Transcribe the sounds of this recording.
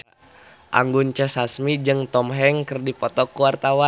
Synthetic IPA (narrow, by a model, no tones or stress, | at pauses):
ʔa̰ŋɡunt͡ʃəsasmid͡ʒɨŋt̪ɔmɦɛŋkərdipɔt̪ɔkuwart̪awa